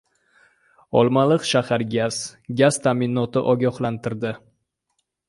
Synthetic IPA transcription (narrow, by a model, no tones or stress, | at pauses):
ɒ̰lˠmalˠɨqʃahaɾɡʲaz̥ɡʲaz̥t̪ʰamɪnɒt̪ɪʔɒɡʲɒhlant̪ɪɾd̪ɪ